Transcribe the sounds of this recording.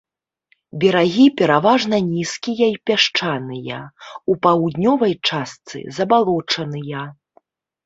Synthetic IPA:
bʲɛɾaɣʲipʲɛɾavaʐnɐnʲiskʲijɐipʲaʂt͡ʂanɨjɐ̰upawd̪nʲɔvɐjt͡ʂast̪sɨ̰zɐbalˠɔt͡ʂɐnɨjɐ

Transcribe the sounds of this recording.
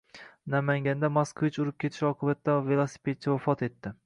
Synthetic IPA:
namaŋɡʲand̪amaskʰvɪt͡ʃʊɾɪp̚kʲʰe̞t̪ʰɪ̥ʃɒqʰɨbat̪ːave̞lˠasɪ̥pʰet̪̚t͡ʃʰːavafɒt̪ʰe̞t̪ːɪ

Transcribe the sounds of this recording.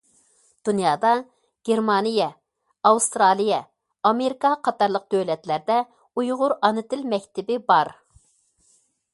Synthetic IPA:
d̪̥unjɑːd̪ɑ | ɡ̥ʲeɾmɑnijɛ | ɑwst̪ɾɑlˠijɛ | ɑmeɾikɑqʰɑt̪ɑɾlˠəq̚d̪̥ølɛt̪læɾd̪ɛ | ujʁʊɾɑnɨt̪ɪlmɛkʲt̪ɪbɪbɑɾ

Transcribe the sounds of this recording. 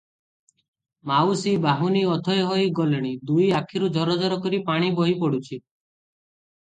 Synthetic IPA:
mawsibaɦuniɔt̪ʰɔjɦɔjɡɔleɽ̃id̪ujakʰiɾud͡ʒʱɔɾɔd͡ʒɔɾɔkɔɾipaɽ̃ibɔɦipɔɽut͡ʃʰi

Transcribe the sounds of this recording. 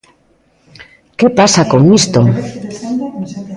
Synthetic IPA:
kepasakoŋmist̪oŋ

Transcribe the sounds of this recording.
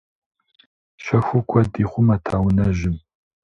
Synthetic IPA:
ʃɐxʷʊkʷʼʰɐdiːχʷʊmɐtʰaːwnɐʒɪm

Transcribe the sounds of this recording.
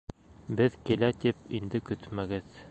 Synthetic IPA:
bɘðkilæt̪ipind̪ɘkɵt̪mæɡɘð

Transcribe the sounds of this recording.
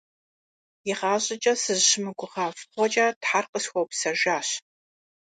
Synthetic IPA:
jɪʁaːɕʼɪt͡ʃʼɐsɨzʃɪmɨɡʷʼʊʁɑːfχʷɔt͡ʃʼɐːtħarqəsxʷɔwpsɐʒaːɕ

